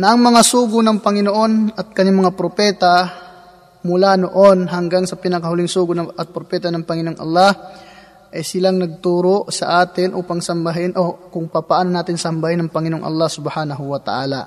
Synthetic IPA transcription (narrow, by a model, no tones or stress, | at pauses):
nɐʔɐŋmɐŋasuːɡʊnɐŋpɐŋɪnoʔo̞nɐt̪̚kɐɲaŋmɐŋapɾopɛːt̪ɐ | mʊlanoʔo̞nɦɐŋɡaŋsɐpɪnɐkɐhʊlɪŋsuːɡʊnɐʔɐt̪̚pɾopɛːt̪ɐnɐŋpɐŋɪnoŋʔɐ̰lːa | ʔɐjsɪlaŋnɐɡ̚t̪uːɾoʔsɐʔaːt̪ɪnʔuːpɐŋsɐmbɐɦɪnʔokʊŋpapɐaʔaːnonaːt̪ɪnsɐmbɐhɪnːɐŋpɐŋɪnoŋʔɐ̰lˠːasʊbhaːnɐɦʊwɐt̪ɐ̰ʔaːla̰